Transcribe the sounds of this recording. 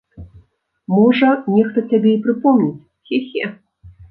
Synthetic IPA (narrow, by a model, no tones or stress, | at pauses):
mɔʐɐnʲɛxt̪ɐt͡sʲabʲɛipɾɨpɔmnʲit͡sʲ | xʲɛxʲɛ